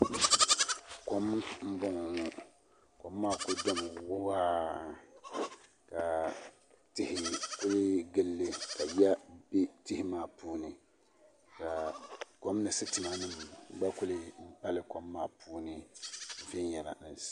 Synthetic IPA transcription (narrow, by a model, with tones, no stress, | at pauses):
kɔ˦mm̩˦bɔ˦ŋ˨nʊ˦ | kɔ˨mːaː˦˨kʊ˨dɔ˦m˨wʊ˦waː˦ | ka˨ | tɪ˦hɪ˨kʊ˦lɪ˦ɡɪ˦lːɪ˦ka˨ja˦be˦tɪ˦hɪ˦maː˦˨puː˦nɨ˨ | ka˨kɔ˨mnɨ˨sɨ˦tɨ˨ma˦nɨ˦˨m˨˦ɡ͡ba˦kʊ˦lɪ˦m̩˦pa˦lɪ˦kɔ˨mːaː˨puː˦nɨ˨˦˨vɪ˦njɛ˨la̰˨nɨ˨